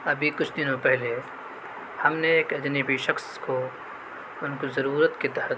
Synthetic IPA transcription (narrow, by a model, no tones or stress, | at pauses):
ɐbʱikʊt͡ʃʰd̪ɪnõpɛɦle | hɐmneːkɐd͡ʒnəbiʃɐxsko | ʊnkozɐɾuːɾət̪ket̪ɐ